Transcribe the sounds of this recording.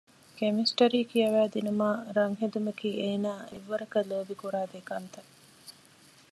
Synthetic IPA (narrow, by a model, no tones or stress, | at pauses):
kemisʈɐɾiːkiɐʋæːd̪inumaːɾɐŋɦed̪umɐkiːeːnaːeʋːɐɾɐkɐloːbikuɾaːd̪ekɐnt̪ɐ